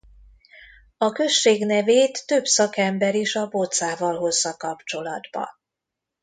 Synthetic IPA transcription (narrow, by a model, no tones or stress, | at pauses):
ɒkø̞ʃt͡ʃːeːɡnɛveːt̪ːøbsɒkɛmbɛɾiʃɒbot̪saːvɒlɦo̞zːɒkɒpt͡ʃo̞lɒ̰d̪bɒ̰